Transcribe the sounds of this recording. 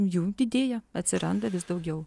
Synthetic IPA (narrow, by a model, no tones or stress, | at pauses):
mjuːd̪ʲɪd̪ʲeːjɛɐt̪ʲsʲɪɾɐnd̪ɐʋʲɪsd̪ɐʊɡʲɛʊ